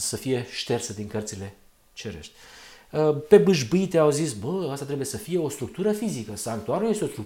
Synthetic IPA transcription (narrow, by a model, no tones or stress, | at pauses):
səfije̞ʃt̪e̞rt̪səd̪iŋkərt̪sile̞ | t͡ʃeɾḛʃt̪ʲəpe̞bɨʒbɨit̪eawzisbəast̪at̪ɾebujesəfije̞o̞st̪ɾuk̚t̪uɾəfizikəsaak̚t̪uaɾulje̞st̪eost̪u